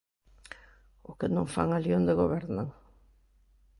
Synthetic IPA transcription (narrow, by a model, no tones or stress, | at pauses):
ʊkenõŋfa̰ŋaljond̪eɣoβɛɾnaŋ